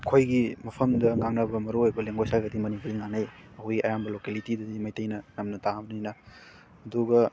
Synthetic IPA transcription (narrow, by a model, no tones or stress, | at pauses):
kʰojɡimɐpʰɐmdɐŋaŋnɐbɐmɐɾuojbɐleŋɡojsalɡɐdimɐnipʰuɾiŋaŋnajɐhojiʔɐ̰jambɐlokelitidɐdimajtɐjnɐnɐmnɐtabɐnninɐ | ɐduɡɐ